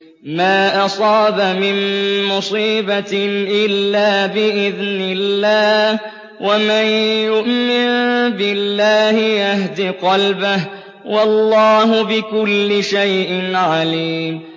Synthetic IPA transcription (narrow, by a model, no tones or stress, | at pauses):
maːʔɑsˤɑːbamɪnmʊsˤiːbaʔɪlːaːbɪʔɪðnɪlːaːh | wʔamanjʊʔmɪnbɪlːaːhɪjahd̪iqɑlbɪh | wɑlːɑːɦʊbɪkʊlːɪʃajʔɪnʕaliːm